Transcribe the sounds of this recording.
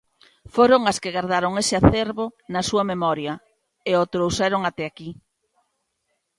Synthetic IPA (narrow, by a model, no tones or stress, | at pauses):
foɾoŋaskeɣaɾðaɾoŋesɪaθeɾβonɐsuɐmemɔɾjɐ | eot̪ɾowsɛɾoŋat̪ɛaki